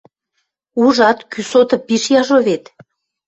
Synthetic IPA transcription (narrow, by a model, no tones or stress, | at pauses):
uʒɑt̪kysot̪ɤ̆pːiʃjɑʒoβet̪